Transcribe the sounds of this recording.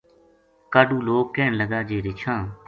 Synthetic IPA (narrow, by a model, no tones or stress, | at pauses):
kaːɖũːloːkːɛːnləɡaːd͡ʒeːɾɪt͡ʃʰãː